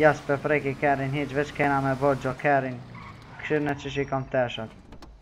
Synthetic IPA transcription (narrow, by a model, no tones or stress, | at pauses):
jaspɛfɾɛkikɛɾinɦit͡ʃvɛt͡ʃkɛnamɛbɔd͡ʒɔkʰɛɾin | kʃiɾnɛt͡ʃəʃ̬ikɔmt̪ɛʃat̪